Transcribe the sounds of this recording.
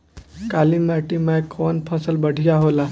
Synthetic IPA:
kalimaʈimajkʰɔnpʰəsəlbəɽ̤ʱijaɦola

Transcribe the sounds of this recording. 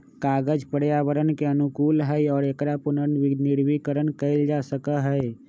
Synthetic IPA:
kaːɡəd͡ʒpəɾjaːʋəɾənkeənukuːlɦɛɔːɾekɾapʊnənnɪɽwikəɾənkəɪld͡ʒasəkəɦəe

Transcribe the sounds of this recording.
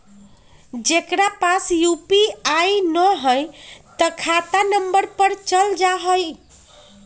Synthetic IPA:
d͡ʒekɾapasjupiajnəɦəjt̪əkʰat̪anəmbəɾpəɾt͡ʃəld͡ʒaɦəj

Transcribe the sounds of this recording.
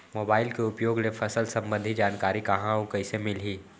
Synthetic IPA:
moːbaːɪlkeʊpjoːɡlefʰɐsəlsɐ̃mbə̃nd̪ʱid͡ʒaːnkaːɾikɐɦãõkɐɪsemɪlɦiː

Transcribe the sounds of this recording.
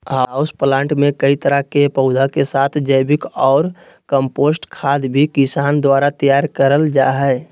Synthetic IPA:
ɦaʊsplãːɳʈmẽkəit̪əɾəɦkepəʊd̪ʱakesaːt̪ʰd͡ʒəɪbɪkɔːɾ | kəmpoːsʈkʰaːd̪bʱikɪsaːnd̪waːɾat̪əjaːɾkəɾəld͡ʒaɦɛː

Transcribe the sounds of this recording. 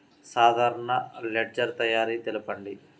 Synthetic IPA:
saːd̪ʱaːɾɐɳɐleɖd͡ʒɐɾt̪ɐjaːɾiːt̪elupɐɳɖi

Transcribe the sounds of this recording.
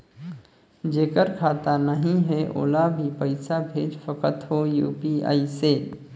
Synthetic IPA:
d͡ʒekəɾkʰat̪anəɦĩɦɛʔo̰ːlabʱipəɪsabʱed͡ʒpʰəkət̪ɦojṵpia̰ːise

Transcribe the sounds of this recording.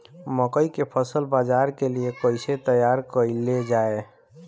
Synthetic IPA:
məkəikepʰəsəlbad͡ʒaɾkeliekəɪset̪əjaɾkəɪled͡ʒae

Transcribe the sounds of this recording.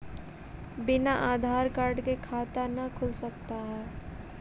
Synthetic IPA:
bɪnaʔaːd̪ʱaːɾkaːɾɖkekʰaːt̪anəkʰʊlsəkt̪aɦɛː

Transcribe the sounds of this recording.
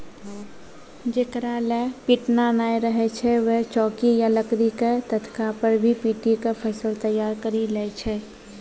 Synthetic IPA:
d͡ʒekɾalepiːʈnanaːeɾəɦet͡ʃʰɛʋeɦt͡ʃɔːkijaləkɾiket̪ət̪ʰkapəɾbʱipiːʈikapʰəsəlt̪əjːaːɾkəɾilɛt͡ʃʰɛ

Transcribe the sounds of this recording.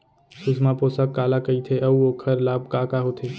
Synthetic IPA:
susmaposəkːalakəit̪ʰeʔəuokʰəɾlaːb̚kakaɦot̪ʰe

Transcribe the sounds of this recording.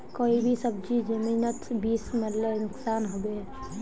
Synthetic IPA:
koːibʱisəbd͡ʒid͡ʒəminət̪biːsməɾlenʊksaːnɦobe

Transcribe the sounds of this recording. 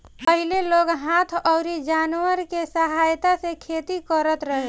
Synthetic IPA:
pəɦileloɡɦat̪ʰɔʊɾid͡ʒanwəɾkesəɦajt̪asekʰet̪ikəɾət̪ɾəɦe

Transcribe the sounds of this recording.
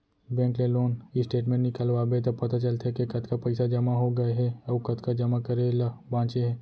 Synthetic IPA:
bɛ̃ːŋkleloːnisʈeːʈ̬mẽɳʈnɪkəlʋabet̪ɐpɐt̪at͡ʃɐlt̪ekekɐt̪kapɐɪsad͡ʒɐmaɦoɡɐeɦɛ̃ɐkɐt̪kad͡ʒɐmakɐɾelabãːt͡ʃeɦɛ̃ː

